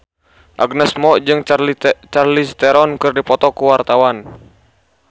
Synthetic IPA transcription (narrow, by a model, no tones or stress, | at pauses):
ʔa̰ɡnɛsmɔʔd͡ʒɨŋt͡ʃarlist̪ɛɾɔnkɨrdipɔt̪ɔkuwart̪awan